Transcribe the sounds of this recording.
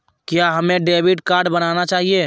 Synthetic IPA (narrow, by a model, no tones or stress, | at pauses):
kjaɦɐmẽɖeːbɪʈkaːɾɖbɐnaːnat͡ʃaːɦieː